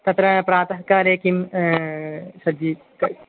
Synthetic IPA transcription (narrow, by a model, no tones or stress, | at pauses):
t̪ɐt̪ɾɐpɾaːt̪ɐɦɐkːaːɾeːkːim | sɐd̪i | kɐ